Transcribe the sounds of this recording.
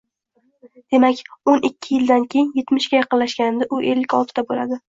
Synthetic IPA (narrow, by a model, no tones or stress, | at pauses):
d̪̥e̞makʲonʔɪkʲʰːɪjɪld̪ankʲʰe̞jɪnje̞t̪mɪʃɡʲajɑqɨnlaʃɡʲanɪnd̪ɪʔʊʔe̞lːɪkʲɒlˠt̪ʰɪd̪abola̰d̪ɪ